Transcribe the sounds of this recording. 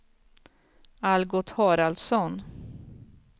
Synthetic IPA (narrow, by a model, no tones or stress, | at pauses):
alɡɔt̪hɑːɾald̪sɔn